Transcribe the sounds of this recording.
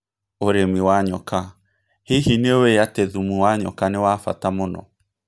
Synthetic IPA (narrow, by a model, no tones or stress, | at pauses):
oɾemiwaɲɔka | hiɦineoeateðumuwaɲɔ̰kanewafa̰tamonɔ̰